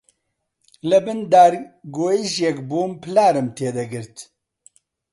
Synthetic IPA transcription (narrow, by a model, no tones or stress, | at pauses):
lɨbɨnd̪aːɾɡoːiʒjɛkbuːmpɨlaːɾɨmt̪ʰeːd̪ɐɡɨɾt̪